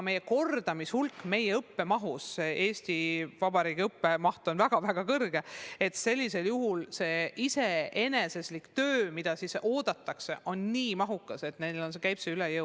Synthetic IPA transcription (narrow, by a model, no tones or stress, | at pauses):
me̞jːeko̞rd̪ɑmishulkːme̞jeɤpːe̞mɑɦusːeʔe̞ːsʲt̪ivɑbɑɾiːɡ̥iɤpːe̞mɑht̪o̞nvæɡ̥ɑvæɡ̥ɑkɤrɡ̥e̞e̞t̪se̞lʲːise̞ljuɦulse̞ːʔise̞e̞ne̞seslikt̪øːmid̪̥ɑsiso̞ːd̪̥ɑt̪ːˑɑkse̞ʔo̞nniːmɑɦukːˑɑse̞t̪nejlo̞ns̬ekæjpseylejɤ